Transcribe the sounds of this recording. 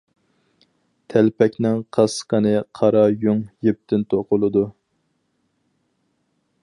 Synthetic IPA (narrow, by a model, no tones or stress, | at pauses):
t̪ʰɛlpʰɛkʲnɪŋqʰɑsqənɨqʰɑɾɑjuŋjep̚t̪ʰɪnt̪ʰoqʊlˠɨd̪u